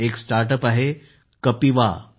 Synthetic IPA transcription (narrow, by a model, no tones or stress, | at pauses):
eksʈaɾʈ̬əpaɦe | kəpiʋa̰